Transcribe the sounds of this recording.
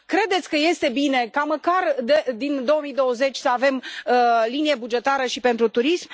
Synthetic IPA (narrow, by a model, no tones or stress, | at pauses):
kɾe̞d̪et̪sʲkəje̞st̪e̞bine̞kaməkard̪ed̪ind̪o̞wəmijd̪o̞wəze̞t͡ʃʲsəave̞m | linije̞bud͡ʒe̞t̪aɾəʃipe̞nt̪ɾut̪uɾism